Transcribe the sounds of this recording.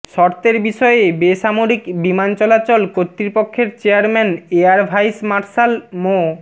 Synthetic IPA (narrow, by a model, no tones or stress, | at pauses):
ʃɔɾt̪eɾbiʃɔeebeʃamoɾikbimant͡ɕɔlat͡ɕɔlkot̪ːɾipokʰːeɾt͡ɕeaɾmɛneaɾbʱajsmaɾʃalmo